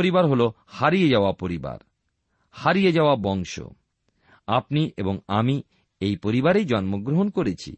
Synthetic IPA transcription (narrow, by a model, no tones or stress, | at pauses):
oɾibaɾɦolo | haɾijed͡ʑaoapoɾiba̰ɾ | haɾijed͡ʑaoabɔŋʃo̰ | apniʔḛboŋami | ejpoɾibaɾejd͡ʑɔnmoɡɾoɦonkoɾet͡ɕʰḭ